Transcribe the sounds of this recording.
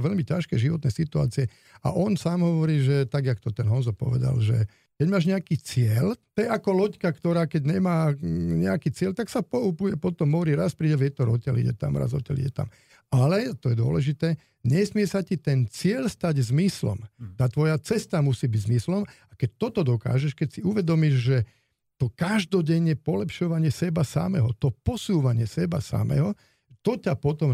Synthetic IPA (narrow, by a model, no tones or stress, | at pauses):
ʋɛʎmicaʃkɛʒiʋɔt̪nɛsit̪ua̰ːt͡siɛ | a̰ʔɔnsaːmɦɔʋɔɾiːʒɛt̪aɡjakt̪ɔt̪ɛnɦɔnzɔpɔ̰ʋɛ̰d̪a̰lʒɛ̰ | kɛɟmaːʒɲɛakiːt͡sɪɛlt̪ɛjakɔlɔckakt̪ɔɾaːkɛɟɲɛmaːɲɛakiːt͡sɪɛlt̪aksapɔupujɛpɔt̪ɔmɦɔʋɔɾiːɾaspɾiːɟɛʋjɛt̪ɔɾɔcɛlḭɟɛ̰t̪a̰mɾa̰zɔ̰cɛ̰lḭɟɛt̪a̰m | alɛt̪ɔjɛd̪ʊɔ̰lɛʒit̪ɛː | ɲɛsmɪɛsacit̪ɛnt͡sɪɛʎst̪aɟzmislɔ̰mt̪aːt̪ʋɔjat͡sɛst̪amusiːbiɟzmislɔmakɛc̚t̪ɔt̪ɔd̪ɔka̰ːʒɛʃkɛcsiuʋɛd̪ɔmiʒʒɛ | t̪ɔkaʒd̪ɔɟɛɲːɛpɔlɛpʃɔʋaɲɪɛsɛbasa̰mɛ̰ɦɔt̪ɔpɔsuːʋaɲɪɛsɛba̰sa̰mɛ̰ːɦɔ | t̪ɔcapɔt̪ɔm